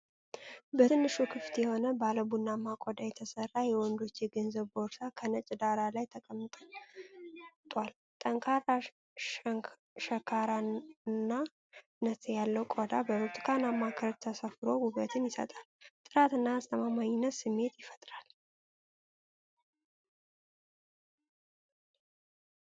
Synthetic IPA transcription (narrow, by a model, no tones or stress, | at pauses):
bət̪ʰɨnːɨʃukʰɨft̪jɛho̞nəbaləbunːamːakʼod̪ajɛt̪ʰəsərːajɛwɔnd̪o̞t͡ʃːjɛɡənzəβbo̞ɾsakʰənət͡ʃʼd̪aɾalajt̪ʰəkʼəmːt̪ʼ | t̪ʼwal | t̪ʼəŋkʰaɾa | ŋ | ʃəkʰaɾanːa | nət̪ʰjalːəwkʼod̪abəɾut̪ʰʼkʰanamːakʰəɾt̪ʰəsəfɾo̞ɡuβət̪ʰɨnjɪsə̰t̪ʼalt̪ʼɨɾat̪ɨnːaːst̪ʰəmamaɲɪnːət̪sɨmːe̞t̪jɪfət̪ʼɾal